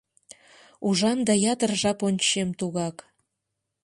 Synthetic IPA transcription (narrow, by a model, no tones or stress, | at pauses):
uʒɑnd̪ɑjɑt̪ərʒɑponʲt͡ɕemt̪uɣɑk